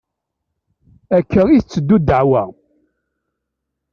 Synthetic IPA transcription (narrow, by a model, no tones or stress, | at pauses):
ækːəiθt͡sːəd̪ːud̪ːəʕwæ